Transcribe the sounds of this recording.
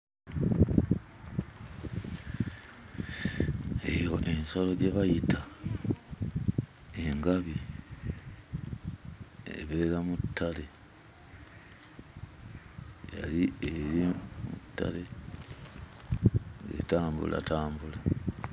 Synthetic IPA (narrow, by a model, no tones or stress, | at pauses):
ejo̞ʔe̞nsolo̞ɟe̞βajita | e̞ŋɡaβi | ḛβe̞ːɾamutʰːale̞ | ja̰lieɾimṵtːa̰le̞ | ŋɡḛtaːmbṵla̰taːmbula